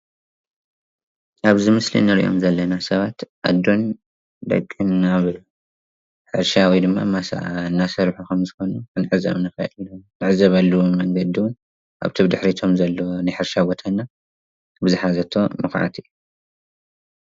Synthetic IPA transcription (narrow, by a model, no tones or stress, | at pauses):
ʔaβzɨmɨslḭnɐɾḭʔo̰mzɐlːɐnasɐβat̪ʔa̰d̪ːo̞n | d̪ɐ̰kʼːɨnːaβ | ħɨɾʃawid̪ɨmːamasa̰ʔanːasɐɾħukɐmzɨxo̞nukʰɨnʕɨzɐ̰βnɐfɐʔḭllumnɨʕɨzɐβalːuwomɐŋɡɐd̪iwʊn | ʔa̰βt̪ʰɨβd̪ɨħɾit̪ʰo̞mzɐlːonɨħɨɾʃabo̞t̪ʰanːa | bɨzɨħazɐt̪ʰo̞mɨxʕa̰t̪ɨjːu